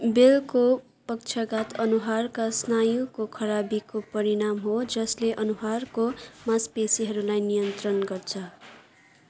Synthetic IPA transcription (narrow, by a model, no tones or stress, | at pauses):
belko | pʌk̚t͡ʃʰʌɡat̪ʌnuɦarkasnajukokʰʌɾabikopʌɾiɽamɦod͡zʌsleʔʌnuɦarkomaspesiɦʌɾulajnijʌnt̪rʌnɡʌrt͡sʰʌ